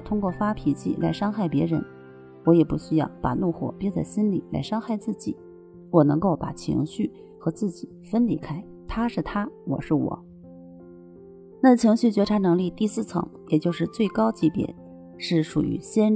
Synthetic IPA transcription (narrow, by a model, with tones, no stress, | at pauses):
t̪ʰʊ˥ŋkwɔ˥˩fa˥pʰi˨˩t͡ɕḭ˥˩la˧˥ɪʂɑ˥ŋxa˥˩ɪpjɛ˧˥ɻə̰˧˥n | wɔ˧˥jɛ˨˩pu˥˩ɕy˥jɑ˥˩ʊpa˨˩nu˥˧xwɔ̰˨˩pjɛ˥˧t͡sa˥˩ɪɕi˥nlḭ˨˩˦la̰˧˥ɪʂɑ˥ŋxa˥˧ɪt͡sɹ̩˥˩t͡ɕi˨˩˦ | wɔ˨˩nɤ˧˥ŋko˥˩ʊpa˨˩t͡ɕʰḭ˧˥ŋɕy˥˩ | xɤ˧˥t͡sɹ̩˥˩t͡ɕi˨˩˦fə˥nli˧˥kʰa˥ɪ | t̪ʰa˥ʂɻ̩˥˩t̪ʰa˥wɔ̰˨˩ʂɻ̩˥˩wɔ̰˨˩˦ | na˥˩t͡ɕʰi˧˥ŋɕy˥˩t͡ɕɥɛ˧˥ʈ͡ʂʰa˧˥nɤ˧˥ŋli˥˧t̪i˥˧sɹ̩˥˩t͡sʰɤ̰˧˥ŋjɛ˨˩t͡ɕjo˥˧ʊʂɻ̩˥˧t͡swe˥˩ɪkɑ˥ʊt͡ɕi˧˥pjɛ̰˨˩˦n | ʂɻ̩˥˩ʂṵ˨˩y̰˧˥ɕjɛ˥n